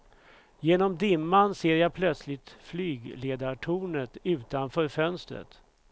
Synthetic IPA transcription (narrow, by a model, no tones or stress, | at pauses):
jeːnɔmd̪ɪmːanseːɾjapʰlœt̪slɪt̪flyːɡleːd̪aʈʰuːnət̪ʉ̟ːt̪anfœːɾfœnst̪ɾə̰t̪